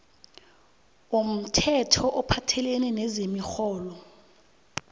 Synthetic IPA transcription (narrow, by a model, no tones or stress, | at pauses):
om̩tʰɛtʰɔʔɔpʰatʰɛlɛnɛnɛzemixɔːlɔ